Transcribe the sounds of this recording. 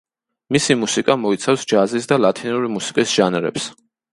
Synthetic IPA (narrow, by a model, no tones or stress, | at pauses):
misimusikʼamɔit̪sʰafsd͡ʒazisd̪alˠat̪ʰinuɾimusi̥kʼisʒ̥anɾɛ̰ps